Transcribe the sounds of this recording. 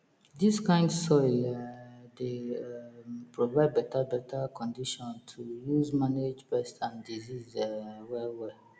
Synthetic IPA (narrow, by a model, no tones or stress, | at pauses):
diskãɪ̃ndsɔɛde | pɹovaɪd̚bɛtabɛtʰakʰɔ̃ndiʃɔ̃ntʰujuzmaned͡ʒbɛstʰãndizizɛwɛlwɛ